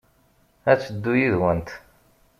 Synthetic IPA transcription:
æt͡sːəd̪ːujiðwənt̪

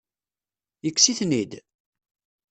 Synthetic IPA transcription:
jəkːsiθnid̪

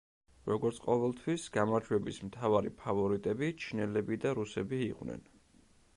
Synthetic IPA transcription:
ɾɔɡɔɾt̪sʰqʼɔvɛlˠt̪ʰwisɡ̥amaɾd͡ʒwɛbismt̪ʰavaɾḭpʰavɔɾit̪ʼɛbit͡ʃʰinɛlɛbid̪aɾusɛbiːqʼwnɛ̰n

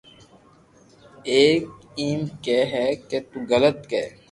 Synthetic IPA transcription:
eːk̚ | iːmkeːɦɛket̪uɣələt̪keː

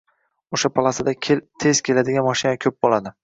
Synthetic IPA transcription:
oʃapʰalˠasad̪akʲʰelt̪ʰez̥kʲʰe̞lad̪ɪɡʲanmɒʃɪnakʲʰɵp̚bolad̪ɪ

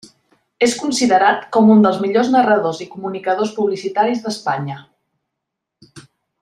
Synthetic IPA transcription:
eskunsiðəɾat̪kɔmund̪əlˠzmiʎoznərəðozikumunikəð̞ospuβlisit̪aɾizðəspaɲə

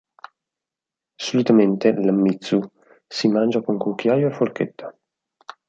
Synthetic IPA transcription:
solit̪ament̪elamːit̪sːu | simand͡ʒakoŋkuk̟ːjaːjoefːolket̪ːḁ

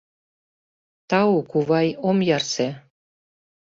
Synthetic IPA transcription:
t̪ɑukuβɑjomjɑrse

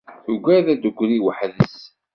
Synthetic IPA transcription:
uɡʷæðæd̪əɡʷːɾiwəħðəs

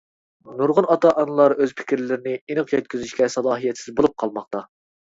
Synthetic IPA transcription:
nuɾʁʊnɑt̪ɑʔɑnɨlˠɑɾøzpʰɪ̥kʲɾlɪɾɪnɪinɨqjɛt̪̚kʲyzyʃkʲɛsɑlˠɑːɦijɛt̪sɪzbolˠup̚qʰɑlˠmɑqt̪ɑ

